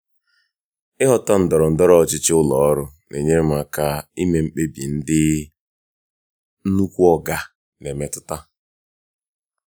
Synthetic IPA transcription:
ɪ˦ɦɔ˦ta˦n̩˨dɔ˨ɾɔ˨n̩˨dɔ˦ɾɔ˦ɔ˨t͡ʃɪ˦t͡ʃɪ˦ʊ˦lɔ˨ɔ˦ɾʊ˦ne˨ɲe˦m̩˦˨a˦˨ka˦i˦me˨m̩˦k͡pe˦bḭ˨n̩˦dɪ˦ | nu˦kʷu˦ɔ˦ɡa˨ | ne˨me˨tʊ˦ta˦

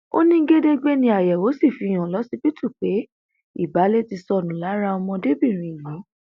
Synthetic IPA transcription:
o̰˦nĩ˦ɡe˦de˦ɡ͡be˦nĩ˧˦a˨jɛ˨wo˨˦si˦˨fi˧˦˨j̃ã˨lɔ˨˦si˦bi˦tʰu˦˨k͡pe˨˦ | ḭ˦˨ba˨˦le˦ti˧sɔ˦˨nũ˨˦la˨˦ɾa˧ɔ˧mɔ̃˧de˦bi˦˨ɾ̃ĩ˨i˨lo˨˦

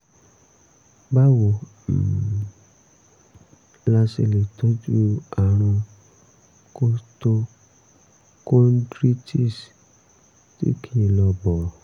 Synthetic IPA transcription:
ba˦wo˨ | m̩˨ | la˧se˧le˨to˦d͡ʒu˦a˨ɾ̃ɔ̃˧ | ko˦sto˧ | kõ˦ndɾi˦ti˦˨s | tḭ˦kʰi˦˧lɔ˧bɔ˨

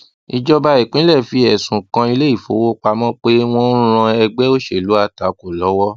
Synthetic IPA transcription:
i˧d͡ʒɔ˦ba˧i˨k͡pĩ˨˦lɛ˦˨fi˧ɛ˨sũ˨kã˧i˧le˦i˦˨fo˨˦wo˦k͡pa˧mɔ̃˦k͡pe˦w̃ɔ̃˦ɾ̃ã˧ɛ˧ɡ͡bɛ˦o˦ʃe˦˨lu˨˦a˦˨ta˨˦ko˨lɔ˨˦wɔ˦

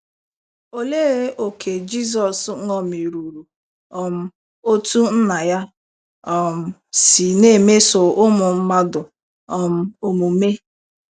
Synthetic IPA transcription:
o˨le˦ɾe˦o˨kʰe˨d͡ʒi˦s̬ɔ˨sŋɔ˦˨m˨i˨ɾu˨ɾu˨ | ɔ˨m̩˦ | o˦tu˦n̩˦na˨ja˦ | ɔ˨m̩˨si˨ne˦˨me˦sʊ˨ʊ˦mʊ˨m̩˦ma˦dʊ˨ | ɔ˨m̩˦o˨mu˨me˦

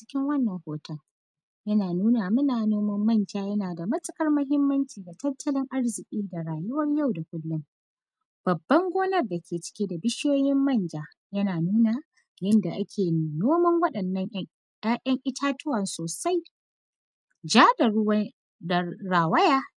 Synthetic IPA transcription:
t͡ʃɪ̥˦kʲɪ˦ŋwɐ˦nːɐ˨ŋhoː˨tʰɐ˦ŋ | jɐ˦naː˨nuː˦na˨mʊ˦naː˨noː˦mɐ˦mːɐ˦nd͡ʒaː˦jɐ˦naː˨da˨mɐ˦t͡sʼɪ˦kʼɐ˦rmɐ˦ɦɪ˦mːɐ˦nt͡ʃiː˨da˨tɐ˦tːɐ˦lɪ˦ŋʔa˦rzɪ˨kʲʼiː˦da˨ɾaː˨jʊ˦wɐ˦rja˦˨wda˨kʷʼʊ˦lːʊ˦m | b̥ɐ˨bːɐ˦ŋɡʷoː˦nɐ˦rda˨kʲʰeː˨t͡ʃɪ̥˦kʲeː˦da˨bɪ˦ʃjoː˦jɪ˦mːɐ˦˨nd͡ʒaː˨ | jɐ˦naː˨nuː˦na˨ | jɐ˦nda˨ʔa˦kʲʰeː˨noː˦mɐ˦ŋwɐ˦ɗɐ˨nːɐ˦ŋ˦ | ʔɐ˦ŋʔɪ˦tʰaː˦tʊ˦wɐ˨nsoː˨sa˦j | d͡ʒaː˦dɐ˨˦ | da˨ɾaː˨wɐ˦jaː˦

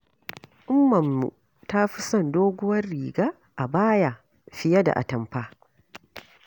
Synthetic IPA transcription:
ʔʊ˦mːɐ˨mːṵ˨ | ta˦ɸi˦sɐ˦˨ndoː˦ɡʷʊ˦wɐ˦rːiː˨ɡaː˦ | ʔa˨baː˦ja˨ | ɸɪ˦ja˦da̰˨ʔa̰˨tɐ˨mɸaː˦

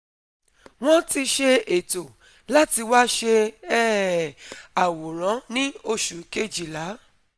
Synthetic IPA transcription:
w̃ɔ̃˦ti˧ʃe˧e˨to˨ | la˦ti˧wa˦ʃe˧ɛ˦˨ | a˨wo˨ɾ̃ã˨˦nĩ˦o˧ʃu˨ke˦˨d͡ʒi˨la˨˦

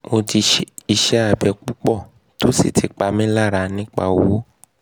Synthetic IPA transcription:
mo˧ti˧i˧ʃɛ˨˦a˦˨bɛ˧k͡pu˦k͡pɔ˦˨ | to˨˦sḭ˦˨tʰi˨k͡pa˧mĩ˦la˦˨ɾa˧nĩ˦k͡pa̰˦˨wo˨˦

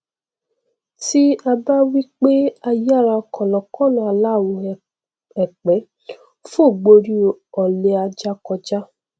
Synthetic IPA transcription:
ti˦a˧ba˦wi˦k͡pe˦a˧ja˦˨ɾa˧kʰɔ˨lɔ˨kɔ̃˦˨nã˧˨a˧˨la˦˨wo˨˧˨ | ɛ˨k͡pɛ˨˦ | fo˦˨ɡ͡bo˧ɾi˧ɔ˨le˧a˧d͡ʒa˦kɔ˧d͡ʒa˦

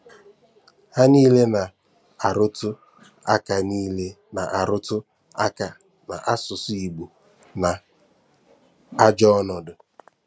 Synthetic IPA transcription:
ha˦niː˦le˦na˨ | a˨ɾʊ˦tʊ˦ | a˦ka˨niː˦le˦ | na˨ʔa˨ɾʊ˦tʊ˦ | a˦ka˨ | na̰˨ʔa˦sʊ˨sʊ˦i˨ɡ͡bu˨ | na˨ | a˦d͡ʒɔ˦ɔ˦nɔ˨dʊ˨

